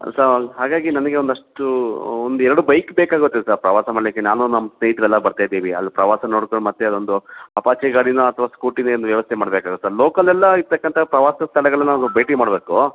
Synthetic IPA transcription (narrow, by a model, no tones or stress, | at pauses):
sɐɾɦaːɡaːɡinɐnɐɡe̞ond̪ɐʂʈuond̪uɛɾɐɽubɐjkbeːkaːɡuot̪ːesaɾpɾɐʋaːsɐmɐɭlɐkːenaːnunɐmːɐsneɦit̪ɾɛlːɐbɐɾt̪aːjd̪iːʋiɐ̰lːipɾɐʋaːsɐno̞ːɽkoɳɖmɐt̪ːeɐd̪o̞nd̪uɐpaːt͡ʃɐjɡaːɽinɐɐt̪ʰɐʋaːskuːʈineond̪uʋjɐʋɐst̪ʰɛmaːɽbeːkaːɡut̪ːsaɾloːkɐlɛlːɐiɾt̪ɐkːɐnt̪ʰɐpɾɐʋaːsɐst̪ʰɐɭɛɡɐɭɐnːaad̪ubɐjʈimaːɽbeːku